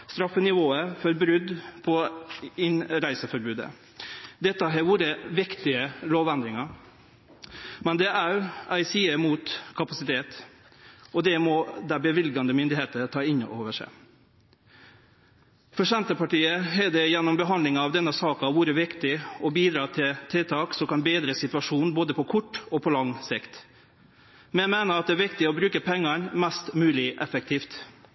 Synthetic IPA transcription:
st̪ɾɑfːənɪʋoːəfɔɾbɾʉd̪pʰɔɪnɾæɪsəfɔɾbʉːd̪ə̰ | d̪ɛt̪ːəɦɛʋuːɾəʋɪkt̪ɪəloːʋɛnd̪ɾɪŋɑ | mɛnd̪ɛʔæɾʔæɪsiːəmuːt̪kʰɑpɑsɪt̪ʰeːt̪ | ɔd̪ɛmɔd̪æbəʋɪlɡɑnd̪əmʏnd̪ɪheːt̪ətʰɑːɪno̰ːʋəʂæ̰ɪ | fɔʂɛnt̪əpɑʈiːəɦɛːd̪ɛjɛnːɔmbəɦɑnd̪lɪŋɑʋd̪ɛnːəsɑːkɑʋʊɾəʋɪkt̪ɪɔbiːd̪ɾɑːt̪ʰɪlt̪ʰɪlt̪ʰɑːksɔkɑnbeːd̪ɾəsɪt̪ʉʋɑʂuːnboːd̪əpʰɔkʰʊʈːɔpʰɔlɑŋːsɪkt̪ | mɛmeːnəɾɑt̪̚ɛːæɾʋɪkt̪ɪɔbɾʉːkəpʰɛŋːɑnmɛst̪mʉːlɪʔɛfək̚t̪ʰiːft̪

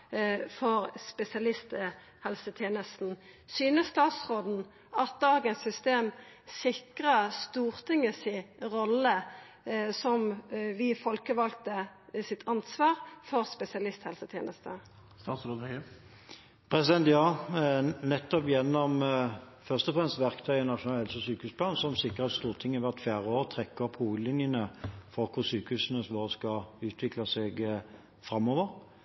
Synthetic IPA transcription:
fɔʁspɛsɪɑlɪst̪ə | hɛlsət̪ʰjeːnəst̪n̩syːnəst̪ɑːt̪sʁoːd̪n̩ | ɑt̪̚d̪ɑːɡənsʏst̪eːm | sɪkʁəst̪uːʁt̪ʰɪŋəsɪʁɔlːə | sɔmʋɪfɔlkəʋɑlk̚t̪əsɪt̪ʰɑnsʋɑːʁfɔʁspɛsɪɑlɪst̪hɛlsət̪ʰjḛːnəst̪ə | st̪ɑːt̪slɔnhœʏə | pʰʁɛsɪd̪ɛnt̪jɑː | nɛt̪ːɔpjɛnːɔm | fœʁst̪ɔfʁɛmst̪ʋæʁkt̪ʰœʏənɑtʂʊnɑlhɛlsɔsyːkəhʉːspʰlɑːnsɔmsɪkːəʁɑt̪st̪uːʁt̪ʰɪŋːɛʋæt̪fjæːʁəoːʁt̪ʰʁɛkːəɔphuːɡəd̪lɪnjənəfɔʁkʰʊʁsyːkəʉːsnəsʋoːʁskɑʉːt̪ʰʋɪklɑsɛɡ | fʁɑmːoːʋəʁ

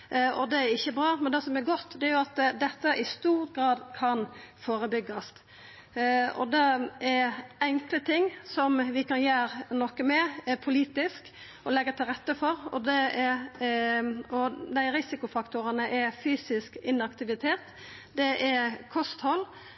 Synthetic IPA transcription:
ʔɔ̰d̪ɛæɾɪçːəbɾɑːmɛnd̪ɛsɔmɛɾɡɔt̪ːd̪ɛæɾjʊɑt̪d̪ɛt̪ːəʔɪst̪uːɾɡɾɑːd̪kʰɑnfoːɾəbʏɡɑst̪ | ɔ̰d̪ɛɛɛŋklət̪ʰɪŋːsɔmʋɪkɑnjæːɾnɔkəmɛpʰʊliːt̪ɪsk | ʔɔlɛɡːət̪ʰɪlʁɛt̪ːəfɔɾɔ̰d̪ɛɛ | ɔd̪æɪɾɪsɪkʊfɑkt̪ʊɾənəʔɛfyːsɪskɪnːɑkt̪ɪʋɪt̪ʰeːt̪ | d̪ɛʔɛkʰɔst̪hɔlː

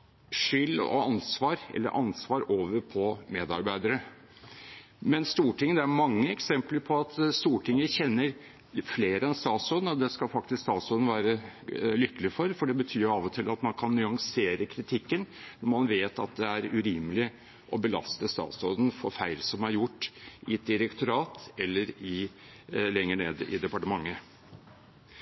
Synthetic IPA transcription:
ʂʏlːɔ̰ɑnsʋɑːɾɛ̰lːə̰ɾʔɑnsʋɑːɾoːʋəɾpʰɔmeːd̪ɑɾbæɪd̪əɾə | mɛnst̪uːʈʰɪŋːəd̪ɛæɾmɑŋːəɛksɛmpləɾpʰɔɑt̪st̪uːʈʰɪŋːəçɛnːəɾ | fleːɾəɛnst̪ɑːt̪sɔd̪n̩ɔd̪ɛskɑfɑk̚t̪ɪskst̪ɑːt̪sɔd̪n̩ʋæːɾəlʏkːəlɪfɔɾfɔɖɛbət̪ʰyːjɑːʋɔt̪ʰɪlɑt̪mɑnkʰɑnːʏɑŋseːɾəkʰɾɪt̪ʰɪkːənnɔɾmɑnʋeːt̪ɑ̰t̪̚d̪ɛæɾʉɾiːməlɪ | ʔɔbəlɑ̰st̪əst̪ɑ̰ːt̪sɔd̪ən̩fɔɾfæɪlsɔmæɾjʊʈːɪɛt̪̚d̪ɪɾɛkt̪ʰʊɾɑːt̪ɛlːəɾɪ | lɛŋːəɳeːd̪ɪ̰d̪ɛpɑʈəmɑŋːə

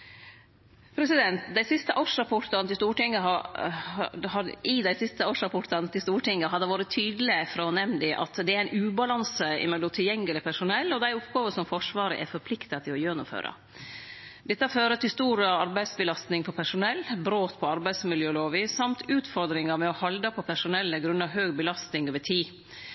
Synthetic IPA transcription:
pʰɾɛsɪd̪ɛnt̪d̪æɪsɪst̪əʔɑːʂɾɑpʰɔʈːɑnt̪ɪst̪uːʈɪŋːəɦɑ | hɑɪd̪æɪsɪst̪əoːʂɾɑpʰɔʈːɑnt̪ɪst̪uːʈɪŋːɡəɦɑd̪əʋɑːɾət̪ʰyːd̪əlɪəfɾɔnɛmnd̪ɪʔɑ̰t̪d̪ɛæɾæɪnʉːbɑlɑnsəɪ̰mɛlːʊmt̪ʰɪljɛŋːəlɪpʰæʂʊnɛlːɔd̪æɪʊpɡɑːʋəsɔmfɔʂʋɑːɾə̰ʔɛ̰ɾfɔɾpʰlɪkt̪ət̪ʰɪlɔjøːnʊmfø̰ːɾə̰ | d̪ɛt̪ːəføːɾət̪ʰɪlst̪uːɾəɑɾbæɪd̪sbəlɑst̪nɪŋpʰɔpʰæʂʊnɛlːbɾoːt̪pʰɔɑɾbæɪsmɪljøːloːʋiːsːɑmt̪ʰʉːt̪fɔɾd̪ɾɪŋəɾmɛɔhɑld̪ɑpʰɔpʰæʂʊnɛlːəɡɾʉnːɑʋɦøːɡbəlɑst̪nɪŋoːʋəʈʰiː

